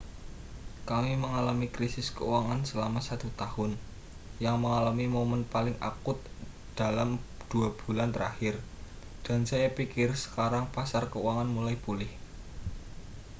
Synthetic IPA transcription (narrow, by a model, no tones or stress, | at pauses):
kamiməŋalamikɾisɪskəuwaŋansəlamasat̪ut̪ahʊn | jaŋməŋalamimomənpalɪŋʔa̰kʊt̪̚ | d̪̥a̤lamd̪̥ṳab̥ulant̪əɾahɪr | d̥a̤nsajapikɪrsə̥kaɾaŋpasarkəuwaŋanmulaipulɪh